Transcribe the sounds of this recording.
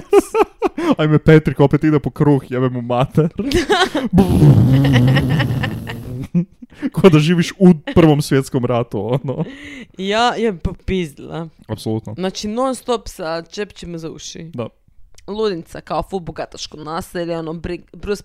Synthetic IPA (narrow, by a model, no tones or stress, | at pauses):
ajmepet̪ɾikopet̪id̪ɛpokɾuːxjebɛmumat̪eɾbu | kod̪aʒiːʋiʃupr̩ʋomsʋjet̪skomɾat̪uonojajappizla̰apsolˠut̪nonaːt͡ʃinonst̪opsat͡ʃept͡ʃimazaṵʃḭd̪a | lˠud̪int̪sakaofuboɡat̪aʃkonaseʎeonobɾibɾus